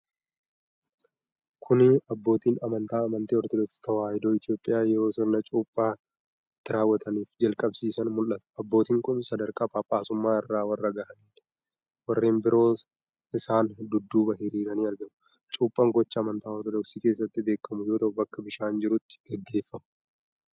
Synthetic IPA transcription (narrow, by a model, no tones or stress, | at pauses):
kʰʊnɪɐbːo̞ːt̪iːnɐmɐnt̪aːɐmɐnt̪iːɔɾt̪ɔd̪ɔkst̪ɐwaːjɪd̪o̞ːɪt̪jo̞ːpʼːɪjaːjɛɾo̞ːsɪɾnɐt͡ʃʼuːpʼːaː | ɪt̪ːɪɾaːwːɐt̪ʰɐniːfd͡ʒɐlkʼɐbsiːsɐnmʊlʔɐt̪ɐ̥ɐbːoːt̪iːŋkʊnsɐd̪ɐɾkʼaːpʼaːpʼːaːsʊmːaːɪrːaːwɐrːɐɡɐʔɐniːᶑ | wɐrːeːnbɪɾo̞ː | ɪsaːnd̪ʊd̪ːuːbɐɦɪɾiːɾɐniːɐɾɡɐmʊ | t͡ʃʼuːpʼːɐŋɡɔt͡ʃːɐːmɐnt̪aːɔɾt̪ɔd̪ɔksiːke̞ːs̬ːɐt̪ːɪbe̞ːkːɐmʊjo̞ːt̪ɐʔʊbɐkːɐbɪʃaːnd͡ʒɪɾʊt̪ːɪ̥ɡ̥ɛɡːe̞ːfːɐmʊ̥